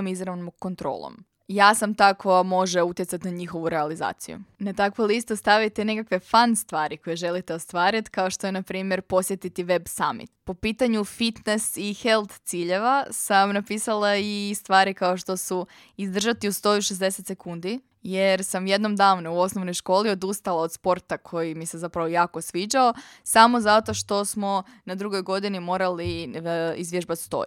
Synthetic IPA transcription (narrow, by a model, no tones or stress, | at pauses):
mizɾaʋnokːo̞nt̪ɾo̰ːlˠo̰m | jaːsamt̪akojamo̞ʒe̞ut̪jesat̪inaɲixo̞ʋuɾealiza̰ːt̪sḭjṵnat̪akʋolist̪ost̪aʋit̪ene̞kakʋe̞fanst̪ʋaːɾiko̞jeʒe̞lit̪e̞o̞st̪ʋaːɾit̪kao̞ʃt̪o̞jenapɾiːmje̞ɾpo̞sjet̪it̪iʋe̞bsa̰mḭt̪po̞piːt̪aɲufit̪nesixe̞lˠt̪t̪siːʎe̞ʋasamnapiːsalˠaist̪ʋaːɾikao̞ʃt̪o̞su | izd̪r̩ʒat̪iust̪o̞ːjuʃezd̪eset̪se̞kund̪i | jeɾsamje̞d̪no̞md̪aːʋnuuo̞snoʋnojʃko̞ːlio̞d̪ust̪alˠao̞d̪spo̞ɾt̪akʰo̞jimise̞zapɾaʋojaːko̞sʋiːd͡ʒao̞samo̞zat̪o̞ʃt̪o̞smo̞ | nad̪ɾuɡo̞jɡo̞d̪inimo̞ːɾali | izʋjeʒbat̪st̪o̞̰ju